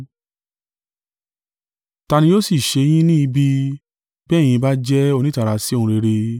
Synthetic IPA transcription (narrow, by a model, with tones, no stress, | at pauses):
ta˧nĩ˧jo˦si˦˨ʃe˧j̃ĩ˦nĩ˦i˧bi˦ | bɛ˦˨j̃ĩ˧ba˦d͡ʒɛ˦o˧nĩ˦ta˨ɾa˧˦si˦o˦ũ˧ɾe˧ɾe˧